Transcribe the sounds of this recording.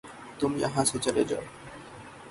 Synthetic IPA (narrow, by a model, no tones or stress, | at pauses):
t̪umiaɦasot͡ɕaɾed͡ʑɔ̰